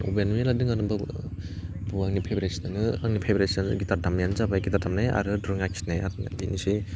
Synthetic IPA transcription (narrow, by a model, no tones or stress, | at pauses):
o̰benmeladɯŋanɯbɯ | buaŋnipʰebɾesinanɯaŋnipʰebɾesan̰ɡitaɾdamjanɯzabakitatamnaja̰ɾɯdɾɯŋakʰi̥naja̰ɾɯdinisi